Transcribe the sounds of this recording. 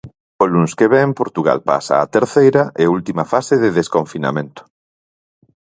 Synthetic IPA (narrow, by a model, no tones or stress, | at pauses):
olunskeβempoɾt̪uɣ̞a̰lpa̰sa̰ːt̪eɾθejɾɐʔeult̪imɐfaseðeðeskoɱfina̰mẽnt̪ʊ̥